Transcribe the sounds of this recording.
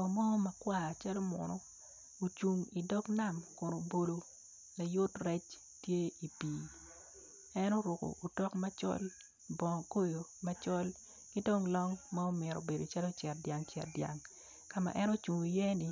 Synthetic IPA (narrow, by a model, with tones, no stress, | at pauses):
ɔ˨mɔ˦mɐ˨kwa˦˨t͡ʃa˦lo˦mɔ̰˨nɔ˦ | o˨t͡ʃu˨ŋi˨dɔ˦kna˦˨mkʊ˨no˨bo˨lo˨ | la˨jʊ˦trɛ˦t͡ʃ | tje˦i˨piː˨ | ɛ˦no˦ɾʊ˨ko̰˨ʔo˨tɔ˦kmɐ˦t͡ʃɔ̰˦l | bɔ˨ko˦jo˨mɐ˦t͡ʃɔ˦l | ki˦do˦ŋlɔ˦ŋma˦o˦mɪ˨ɾo̰˨be˨do˨t͡ʃa˦lo˦t͡ʃɛ˨rdja˨ŋt͡ʃɛ̰˨rdja̰˨ŋ | ka˨ma̰˨ʔɛ˦no˦t͡ʃu˨ŋi˨jɛ˦ni˨